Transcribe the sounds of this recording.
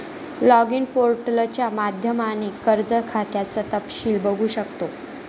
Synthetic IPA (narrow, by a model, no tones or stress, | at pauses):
lɔɡinpoɾʈlət͡ɕjamad̪ʱjəmanikəɾd͡zəkʰat̪jat͡sət̪əpɕiːlbəɡʱuːɕəkt̪o